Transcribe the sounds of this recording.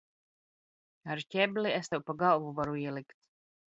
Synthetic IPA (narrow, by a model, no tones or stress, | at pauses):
aɾcʲɛbliɛst̪ɛwpaɡalˠvuvaɾuiɛlˠikt̪